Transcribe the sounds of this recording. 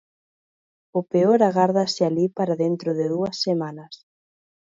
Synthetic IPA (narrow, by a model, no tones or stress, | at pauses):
ʊpeoɾaɣaɾð̞asɪalipaɾaðent̪ɾʊðɪðuɐsːemanɐs